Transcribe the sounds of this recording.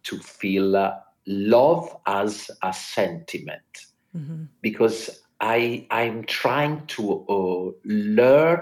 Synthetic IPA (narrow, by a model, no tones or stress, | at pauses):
tʰufil | lʌvazəsɛ̃ntʰimɛ̰̃nt | b̥ikʰɔz | ʔaɪãj̃mtʰɹ̥ajɪ̃ŋtʰu | lɜ˞